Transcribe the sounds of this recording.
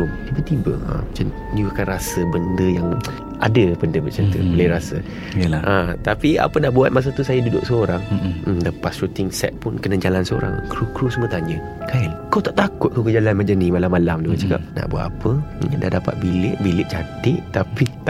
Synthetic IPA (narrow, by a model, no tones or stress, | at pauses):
umt̪ibət̪ibə̰ə̰mat͡ʃan | diuakanɾasəbəndəjaŋ | ʔadəbəndəbət͡ʃant̪ṵbələɾasə̰ | jəlaʔat̪apia̰pənaʔbuat̪̚maʔs̬at̪usajad͡ʒudo̰ʔsəoɾaŋ̩ləpasɾut̪ɪŋsɛ̰t̪̚pʊnkənəd͡ʒalansəo̰ɾa̰ŋkɾukɾusəmət̪aɲə̃ | kalkawt̪aʔt̪akʊt̪̚kawkəd͡ʒalanmad͡ʒanimalamːalamduat͡ʃaka̰p̚na̰ʔbuat̪apəda̰hdapa̰t̪̚bilɪʔbilɪʔt͡ʃat̪ɪʔt̪api